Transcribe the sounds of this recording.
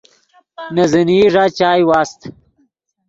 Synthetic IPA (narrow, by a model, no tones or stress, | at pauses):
nɐziniːʐaːt͡ɕaːjwaːst̪